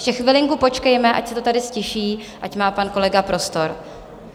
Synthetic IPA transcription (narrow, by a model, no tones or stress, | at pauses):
ʃɛxvɪlɪŋkuːpo̞t͡ʃkɛjmɛʔa̰csɛt̪o̞t̪adɪscɛʃiː | ʔacmaːpanko̞lɛɡapɾo̞st̪o̞ɾ